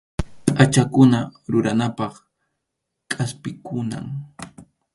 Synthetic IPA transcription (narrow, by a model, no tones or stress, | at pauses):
tʼat͡ʃakʊnaɾʊɾanapɑχ | kʼaspɪkʊna̰ŋ